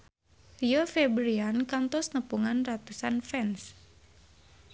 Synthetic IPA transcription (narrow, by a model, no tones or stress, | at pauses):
iɔfebɾiankant̪ɔsnəpuŋanrat̪usanfɛns